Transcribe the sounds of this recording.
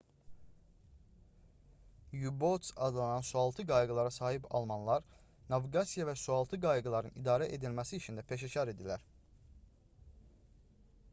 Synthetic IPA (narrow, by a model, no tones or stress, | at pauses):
jubot̪sɑd̪lˠɑnɑnsuɑlˠt̪ʰɯɡɑjɡɯlˠɑɾɑsɑːɦipɑ̰lˠmɑnlˠɑɾ | nɑviɡɑsijɑvæsuɑlˠt̪ʰɯɡɑjɡɯlˠɑɾɯnid̪ɑːɾæʔe̞d̪ilmæsiːt͡ʃʰind̪æpʰe̞ʃ̬eçɑɾe̞d̪ilæɾ